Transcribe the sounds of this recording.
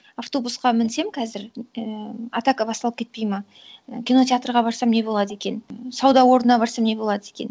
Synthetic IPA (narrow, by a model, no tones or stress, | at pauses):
aft̪o̞busqɑmɪnse̞mkʲʰɑzɪɾəɑ̰t̪akəbɑst̪ɑlˠəpkʲʰe̞t̪̚pe̞jmɑ | kʲino̞tʲeat̪rʁɑbɑɾsɑmne̞bolˠɑd̪əe̞kʲe̞nsɑwd̪ɑwo̞ɾnənɑbɑɾsɑmne̞bo̞lˠɑd̪əe̞kʲe̞̰n